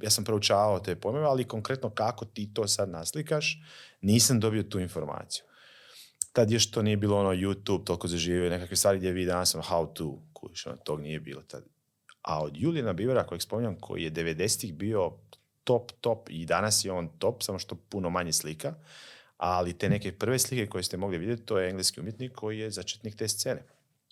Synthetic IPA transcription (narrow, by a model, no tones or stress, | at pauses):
jaːsampɾout͡ʃaːʋaot̪e̞ːpojmeʋealiko̞ŋkɾe̞t̪no̞kako̞t̪iːt̪o̞ːsad̪naslikaʃniːsamd̪o̞bio̞t̪uːinfo̞ɾma̰ːt̪si̥ju | t̪ad̪joʃt̪onije̞biːlˠoonojut̪uːb̚t̪o̞lkozaʒiːʋione̞kakʋist̪ʋaːɾiɡd̪jeʋid̪anasomhaut̪uːkut͡ʃonot̪oɡnije̞bḭːlot̪a̰d̪ | a̰od̪juːlienabiʋeɾakojekspo̞miɲamkʰo̰jḭje̞d̪eʋe̞d̪e̞set̪ixbio̞ | t̪o̞pt̪o̞pid̪anasjeoːnt̪o̞psamoʃt̪o̞punomaɲeslika | alit̪e̞ne̞ke̞pr̩ʋe̞slike̞ko̞jest̪emo̞ɡliʋid̪jet̪it̪o̞ːjeeŋɡleskiumjet̪nikʰːo̞jijezat͡ʃe̥t̪nik̚t̪est̪seːne̞